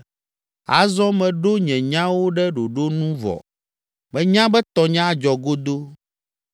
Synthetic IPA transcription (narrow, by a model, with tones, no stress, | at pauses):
a̰˨zɔ̃˦mɛ̃˨ɖo˦ɲɛ̃˨ɲã˦wo˦ɖɛ˦ɖo˨ɖo˦nũ˦vɔ̰˨ | bɛ˦ɲã˦bɛ˦t̪ɔ˨ɲã˦d͡ʒɔ˨ɡo˦d̪o˦